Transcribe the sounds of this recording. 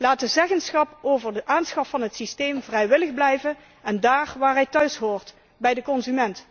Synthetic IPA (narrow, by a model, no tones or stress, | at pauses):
laːtəzɛɣənsχɑpowvərdəʔaːnsχɑffɑnɦətsisteːmvrɛjʋɪləɣblɛjvən | ɛndaːrʋaːɹɦɛjtœɥsɦoːɹt | bɛjdəkɔnzymɛnt